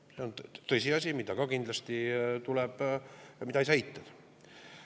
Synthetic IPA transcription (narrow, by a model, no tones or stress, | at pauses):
se̞o̞nt̪ɤjsiɑsʲimid̪ɑkɑkind̪lɑst̪it̪ulɛb̥mid̪ɑejsɑit̪ːˑɑd̪̥